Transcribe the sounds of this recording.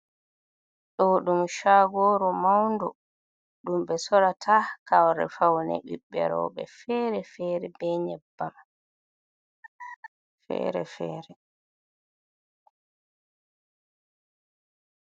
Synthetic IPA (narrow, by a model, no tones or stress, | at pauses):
ɗɔɗumʃaɡɔːɾɔmawndɔ | ɗumbɛsɔɾatʰakawɾɛ̰fawnɛ̰ɓḭɓːɛ̰ɾɔ̰ːɓɛ̰fɛːɾɛfɛːɾɛbɛɲɛbːan | fɛ̰ːɾɛ̰fɛːɾɛ